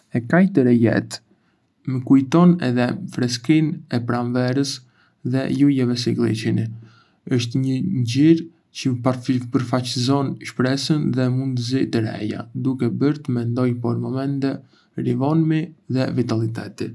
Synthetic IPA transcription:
ɛkajt̪əɾɛjɛ̰t̪ | məkujt̪ɔnɛ̰ðɛfɾɛskinɛpɾanvɛɾəs | ðɛ̰jujɛvɛsiɡlˠḭt͡ʃini | əʃt̪ɲəɟiɾ | cəpapəɾfat͡ɕəzɔnʃpɾɛsənðɛmund̪t̪əzijt̪əɾɛ̰ja̰d̪ukɛbəɾt̪əmɛnd̪ɔjpɔɾmɔmɛnt̪ɛ | ɾivɔnmiðɛvit̪alit̪ɛ̰t̪i

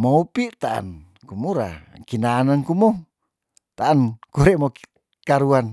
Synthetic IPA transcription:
moupiʔt̪aʔa̰n | kumuɾa̰kinaːnankumɔ | t̪aʔːnkuɾɛmok | kaɾuan

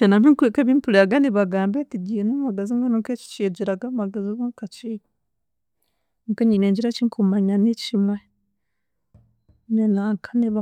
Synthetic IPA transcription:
t͡ʃenamiŋkuekeβimpuleaɡaniβaɡaːmbetiɟinumaɡaziŋɡanuŋket͡ʃi̥t͡ʃied͡ʒiɾaɡamaɡaziβaŋkat͡ʃi | keɲineːɲd͡ʒiɾat͡ʃiŋkʰumaɲanit͡ʃimwe | nenaŋkʰḁniβa

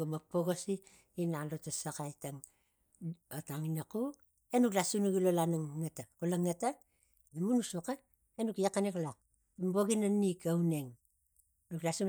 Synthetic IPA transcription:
ɡamapoɡosiː | nalotasakajtaŋ | otaŋinaku | enuklasunuɡilolanaŋːatakulaŋːata | namunusoka | enukjakaneklak̚ | tamboɡinanikaune̞ŋ | nuklasu

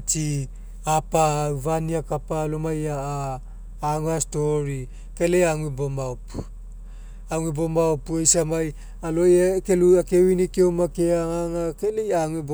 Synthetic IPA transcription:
t͡ʃi | apawvaniakapalomajaaː | ŋuastoɾi | kelejaŋuibomaop | aŋuibomaopuejsamaj | alojakeluakewinikeomakeaŋaŋakelejaŋib

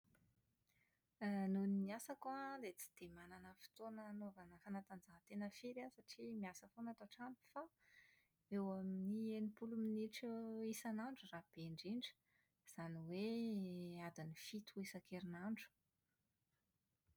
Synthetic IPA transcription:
nunimiasakalet͡si̥d̪̥emananəfi̥t̪onənovanəfanat̪and͡zaɦt̪enəfiɾasaʈ͡ʂimiasəfonat̪aʈ͡ʂampi̥fa | ewaminienipuluminiʈ͡ʂuisanaɳɖ͡ʐurab̥eɳɖ͡ʐiɳɖ͡ʐə̥ | z̥aniwe | ad̪inifit̪uisakeɾinaɳɖ͡ʐu̥

